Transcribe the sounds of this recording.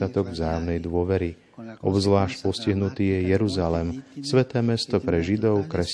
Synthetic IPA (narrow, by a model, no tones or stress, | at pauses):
at̪ɔɡvzaːjɔmnɛjd̪ʊɔʋɛɾi | ʔɔbzʋlaːʃc̚pɔsciɦnut̪iːjɛjɛɾuzalɛmsʋɛt̪ɛːmɛst̪ɔpɾɛʒid̪ɔʊkɾɛs